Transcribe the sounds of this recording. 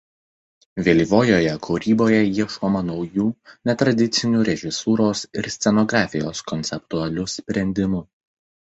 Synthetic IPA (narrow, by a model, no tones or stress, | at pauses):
ʋʲeːlʲiʋoːjoːjɛkʰuɾʲiːboːjɛjiɛʃkoːmɐnɒʊjuːnʲɛt̪ɾɐd̪ʲɪt̪sʲɪnʲuːɾʲɛʒʲɪsuːɾoːsɪɾsʲt̪sʲɛnɔɡɾɑːfʲɪjo̰ːskɔnʲt̪sʲɛp̚t̪uɐlʲʊsʲpʲɾʲɛnʲd̪ʲɪmʊ